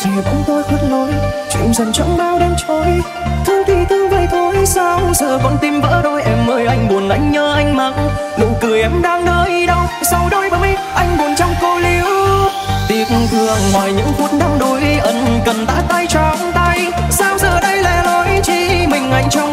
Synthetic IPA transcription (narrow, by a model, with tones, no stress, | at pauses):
t͡ɕa˨˩kʊ̰˨˧˥ŋ͡mt̪o˧jt̪ʰɨ˦˧˩t̚nɔ˨˦jt͡ɕḭ˧˨ŋ͡mzə˨˩nt͡ɕɔ˧˦ŋ͡mɓaː˧wɗe˧mt͡ɕo˨˦j | t̪ʰɨ˧əŋt̪ʰi˨˩t̪ʰɨ˧ŋvə˨˩jt̪ʰo˧˦jsa˧wzəː˨˩və̰˧˥nt̪i˧mvə̰ː˧˥ɗo˧jʔɛ˧mːəː˧jʔa˧jŋ̟ɓu˨˩ənʔa˧˩jŋ̟ɲəː˧ʔa˧jŋ̟ma˧˦n | ɗo̰˧˨˩jkɨ˨˩əjʔɛ˧˩mɗaː˧ŋɗəː˧jɗə˧w | sa˧wɗo˧jɓəː˨˦j | ʔa˧jŋ̟ɓu˨˩ənt͡ɕɔ˧wŋ͡mko˧li˨˦əw | t̪i˧˩ək̚t̪̚ɨ˧˩əŋŋwaː˨˩jɲɨ̰˧˥ŋvu˧˥ət̚ɗaː˧ŋɗo˨˦jʔə˨˦nkə˨˩mt̪a̰ː˧˥t̪a˧jt͡ɕɔ˧˩ŋt̪a˧j | saː˧wzəː˨˩ɗə˧jlɛ˧˩lo˨˦jt͡ɕḭ˧˥mï˨˩ŋ̟ʔa˨˩jŋ̟t͡ɕɔ˧wŋ͡m